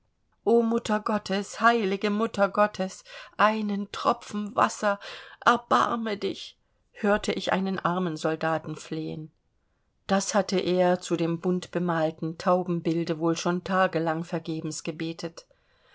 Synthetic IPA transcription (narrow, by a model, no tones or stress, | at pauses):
ʔoːmʊtʰɐɡɔtʰəshaɪlɪɡəmʊtʰɐɡɔtʰəsʔaɪnəntʁ̥ɔpp͡fn̩va̰sɐʔɛɐb̥a̰ɐmədɪç | høːɐtʰəʔɪçʔa̰ɪnənʔaɐmənzɔldaːtn̩fleːə̰n | d̥ashatəʔeːɐt͡sudeːmbʊntb̥əmaːltn̩tʰaʊbm̩bɪldəvoːlʃoːntʰaːɡəlaŋfɛɐɡeːbm̩sɡ̥əbeːtʰət